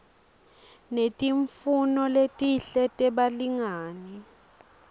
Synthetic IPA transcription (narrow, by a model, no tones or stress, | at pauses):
netʼiɱfunɔletʼiɬɛtʼɛɓaliŋaːni